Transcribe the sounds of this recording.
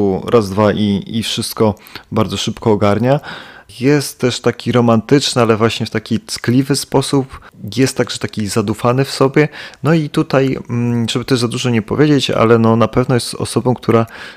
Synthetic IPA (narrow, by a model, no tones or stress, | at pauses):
uɾʔazd̪vaʔiifʂɘst̪̚kɔbaɾd̪zɔʂɘpkɔːɡaɾɲajɛst̪tːɛʂt̪akʲiɾɔmant̪ɘt͡ʂnɘalɛvwaɕɲɛft̪akʲit̪sklʲivɘspɔsupjɛst̪ːaɡʐɛt̪akʲizad̪ufanɘfsɔbʲjɛnɔit̪ut̪aj̩ʐ̥ɛbɘt̪ɛʐzad̪uʐɔɲɛpɔvʲjed͡ʑet͡ɕa̰lɛnɔnapɛvnɔjɛst̪ɔ̰sɔbɔ̃w̃k̚t̪ʰuɾa